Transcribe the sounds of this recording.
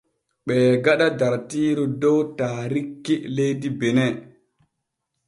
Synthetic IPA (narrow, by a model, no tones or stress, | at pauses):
ɓɛɡaɗadaɾtiːɾɔdɔwtaːɾikːɛlejdibɛnɛ